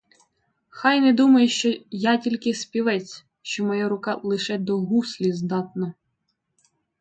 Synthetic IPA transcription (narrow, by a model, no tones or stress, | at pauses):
xɑjnɛd̪umɐjʊʃt͡ʃɔjɑtʲilʲkɪspʲiʋɛt͡sʲ | ʃt͡ʃɔmɔjaɾʊkɑlˠɪʃɛd̪ɔɦuslʲizd̪ɑt̪nɔ